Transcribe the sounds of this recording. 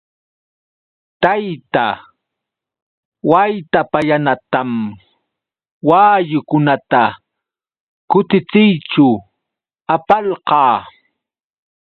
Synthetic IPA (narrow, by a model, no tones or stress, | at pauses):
t̪ajt̪a | wajt̪apajanat̪am | waːjʊkʊnat̪a | kʊt̪ɪt͡sɪjt͡ʃʊ | apalqɑː